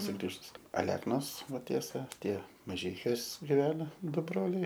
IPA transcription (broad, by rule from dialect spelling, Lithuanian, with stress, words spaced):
sʊˈɡrʲiːʒʊs ɐˈlʲæːknoːs ˈʋɐ ˈtʲiɛsɐ ˈtʲiɛ mɐˈʒʲɛɪkʲuɔs ɡʲɪˈʋʲæːnɐ ˈdʊ ˈbroːlʲɛɪ